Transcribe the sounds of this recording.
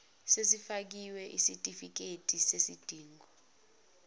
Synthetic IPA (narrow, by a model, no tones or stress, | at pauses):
sesifak̬iwɛʔisitʼifik̬etʼisesid̥ʱiːŋɡʱɔ